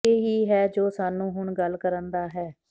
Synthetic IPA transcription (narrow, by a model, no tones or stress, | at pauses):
eːɦiːɦɛːd͡ʒoːsaːnːũːɦʊɳɡəlːkəɾənd̪aːɦɛː